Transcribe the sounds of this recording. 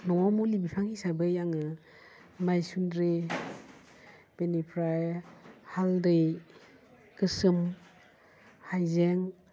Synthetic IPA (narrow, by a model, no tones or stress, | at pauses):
nɔwawmulibipʰaŋisajbɯjaŋɯ | majsundɾi | b̥enipʰɾajhaldɯj | kɯsɯm | hajzeŋ